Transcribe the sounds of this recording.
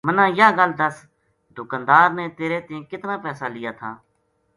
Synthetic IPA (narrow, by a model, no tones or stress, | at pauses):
mənãːjaːɡəld̪əs | d̪ʊkãːnd̪aːɾneːt̪eːɾeːt̪ɪẽːkɪt̪nãːpɛːsaːlɪjaːt̪ʰaː